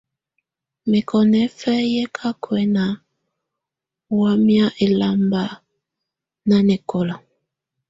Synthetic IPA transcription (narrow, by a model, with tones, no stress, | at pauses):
me˨kʰɔ˨nɛ˦fɛ˦jɛ˦kʰa˦kʰwɛ˨na˨ | wa˦mja˦ʔe˨la˨mba˨ | na˦nɛ˨kɔ˨la˨